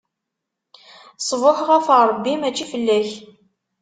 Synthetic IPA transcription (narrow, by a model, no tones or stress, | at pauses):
sˤvʊħəʁæfəɾˤəbːimæt͡ʃːifəlːæç